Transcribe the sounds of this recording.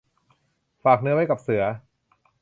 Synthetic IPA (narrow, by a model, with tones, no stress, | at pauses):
faː˨˩k̚nɨ˧˦ɐwa˥jka˨˩p̚sɯ˨˩˦ɐ